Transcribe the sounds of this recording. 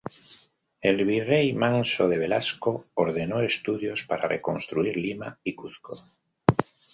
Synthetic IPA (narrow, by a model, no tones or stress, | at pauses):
elβirejmãnsoð̞eβ̞elaskooɾð̞enoest̪uðjospaɾarekonst̪ɾuiɾlimaikuθko